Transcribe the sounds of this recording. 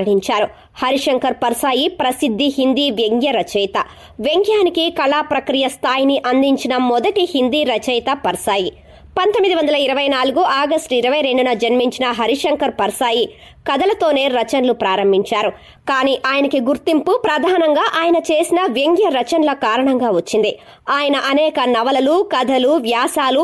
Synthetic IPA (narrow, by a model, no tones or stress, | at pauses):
ɳiɲt͡ʃaːɾu | hɐɾiʂɐŋkɐɾpɐɾsaːjipɾɐsid̪ʱːiɦind̪iʋjeŋɡjɐɾɐt͡ʃɐjt̪ɐ | ʋje̞ŋɡjaːnikikɐlaːpɾɐkɾijɐst̪ʰaːjiniʔɐnd̪iɲt͡ʃinɐmɔd̪ɐʈihind̪iːɾɐt͡ʃɐjt̪ɐpɐɾsaːji | pɐnt̪omːid̪iʋɐnd̪ɐlɐiɾɐʋɐjnaːluɡuʔaːɡɐsʈiɾɐʋɐjɾe̞ɳɖunɐd͡ʒɐnmiɲt͡ʃinɐɦɐɾiʂɐŋkɐɾpɐɾsaːji | kɐd̪ɐlɐt̪o̞ːne̞ːɾɐt͡ʃɐnlupɾaːɾɐmbʱiɲt͡ʃaːɾu | kaːniːʔaːjɐnɐkiɡuɾt̪impupɾɐd̪ʱaːnɐŋɡaːʔaːjɐnɐt͡ʃe̞ːsinɐʋe̞ŋɡjɐɾɐt͡ʃɐnlɐkaːɾɐɳɐŋɡaːʋɐt͡ʃːind̪i | aːjɐnɐʔɐnɛːkɐnɐʋɐlɐlukɐd̪ʱɐluʋjaːsaːlu